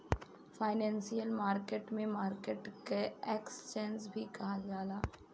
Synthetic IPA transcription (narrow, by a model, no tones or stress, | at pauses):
faːɪnɛ̃ːnsijəlmaːɾkeːʈmẽmaːɾkeʈkeekst͡ʃẽːnsbʱikɐɦad͡ʒaːlaː